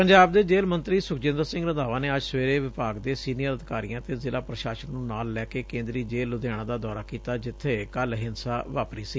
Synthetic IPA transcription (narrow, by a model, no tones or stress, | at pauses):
pəɲd͡ʒaːb̚d̪eːd͡ʒeːlmə̃nt̪ɾiːsʊkd͡ʒɪ̃nd̪əɾsɪ̃ŋɡɾənd̪aːʋãːneːəd͡ʒsʋeːɾeːʋɪpaːɡd̪eːsiːnijəɾəd̪ɪkaːɾijãːt̪eːzɪlaːpɾəʃaːʃənnũːnaːlːɛːkeːkẽːnd̪ɾiːd͡ʒeːlːʊd̪aːɽ̃ãːd̪aːd̪ɔːɾaːkiːt̪aːd͡ʒɪt̪ʰːeːkəlɦɪnsaːʋaːpɾiːsiː